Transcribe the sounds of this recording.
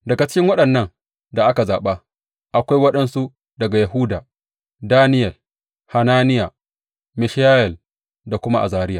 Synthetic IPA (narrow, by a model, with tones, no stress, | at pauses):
dɐ˨ɡa˨t͡ʃɪ˦ɪ˦ŋwɐ˦ɗɐ˨nːɐ˦ŋ | da˨ʔa˦ka˨zaː˨ɓa˦ | ʔa˨kʷa˦jwɐ˦ɗɐ˦˨nsu˦ | dɐ˨ɡa˨ja˨ɦu˦daː˨ | daː˦nɪ˦jɛ˨l | ha˨naː˦nɪ˦ja˨ | mɪ˨ʃjaː˦jɛ˨l | da˨kʷʊ˦ma˦ʔa̰˨zaː˨ɾɪ˦jaː˨